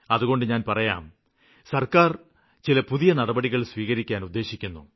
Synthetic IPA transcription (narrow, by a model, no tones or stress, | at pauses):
ɐðuɣo̞ɳɖɨɲaːnpɐrɐja̰ːm | sɐrkaːr | t͡ɕilɐpuðijɐnɐɽɐbɐɽiɣɐɭsʋiːɣɐɾikʲːaːnud̪ːe̞ːɕikʲːunːu